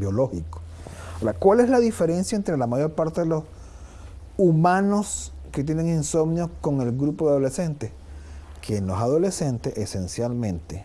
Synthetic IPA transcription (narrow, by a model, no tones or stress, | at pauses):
bjo̞lo̞hiko̥akwale̞slaðife̞ɾe̞nsjaent̪ɾe̞lamaʝo̞ɾpaɾt̪e̞ðelos | umano̞sket̪̬jene̞ŋinso̞mnjoko̞ŋe̞lɡɾupo̞ðeaðolese̞nt̪es | kʰenosaðo̞le̞sent̪eʔesensjalmẽ̞nt̪e